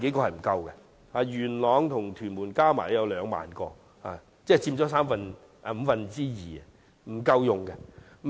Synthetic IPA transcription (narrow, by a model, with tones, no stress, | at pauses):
ke˨˥jkɔː˧hɐ˨jm̩˨˩kɐ˧wkɛ˧ | haː˨jyː˨˩nlɔː˨˧˥ŋt̪ʰʊ˨˩ŋt̪ʰyː˨˩nmuː˨˩nkaː˥ma̰ː˨˩jjɐ˨˧wlœː˨˧ŋma̰ː˨˩nkɔ̰ː˧ | ha̰ː˨ | t͡sɛː˥˩t͡siː˧mt͡sɔ˨˥saː˥mfɐ˧n˧ | m̩˨˧˥fɐ˧nt͡siː˥jiː˨˩˨ | m̩˨˩kɐ˧wjʊ˨ŋkɛ˧